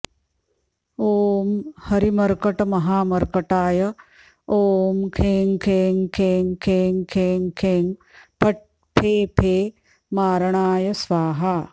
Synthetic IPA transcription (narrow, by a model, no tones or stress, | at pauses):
oːmhɐɾimɐɾkɐʈɐmɐɦaːmɐɾkɐʈaːjɐ | oːmkʰeːŋkʰeːŋkʰeːŋkʰeːŋkʰeːŋkʰeːŋpʰɐʈ̚ | pʰeːpʰeː | maːɾɐɳaːjɐsʋaːɦaː